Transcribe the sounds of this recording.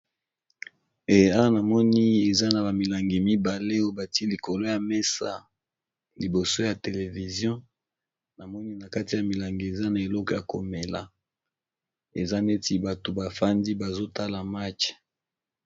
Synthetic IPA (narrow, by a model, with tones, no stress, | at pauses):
e˨ja˦wa˦na˨mɔ˦ni˦e˨za˦na˨ba˨mi˨la˨ŋɡi˨mi˦ba˨le˦o˦ba˨ti˦li˨ko˨lo˦ja˨me˦sa˨ | li˨bo˨so˦ja˨te˨le˨vi˨zjɔ̃˦ | na˨mɔ˦ni˦na˨ka˦ti˨ja˨mi˨la˨ŋɡi˨e˨za˦na˨e˨lɔ˦kɔ˨ja˨ko˨me˨la̰˨ | e˨za˦ne˦ti˦ba˨to˨ba˨fa˦ndi˦ba˨zo˦ta˦la˨ma˦t͡ʃ